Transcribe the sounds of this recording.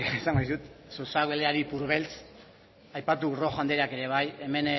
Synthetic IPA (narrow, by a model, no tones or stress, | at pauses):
esaŋɡoisut̪susaɣeleaɾipuɾβe̞lt͡s | ajpat̪uro̞xand̪eɾeake̞ɾe̞β̞aje̞me̞n